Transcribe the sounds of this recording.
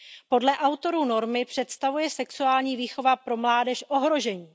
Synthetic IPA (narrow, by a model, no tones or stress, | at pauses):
po̞dlɛʔawt̪o̞ɾuːno̞ɾmɪpr̝̥ɛt̪st̪avujɛsɛksuaːlɲiːviːxo̞vapɾo̞mlaːdɛʃʔo̞ɦɾo̞ʒɛɲiː